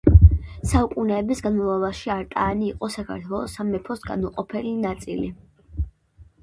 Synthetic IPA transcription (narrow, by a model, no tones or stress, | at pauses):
saukʼunɛːbisɡanmɔlˠavaʃiaɾt̪ʼaːniːqʼɔsakʰa̰ɾt̪ʰwɛlˠɔsamɛpʰɔsɡa̰nuqʼɔpʰɛlinat̪sʼḭli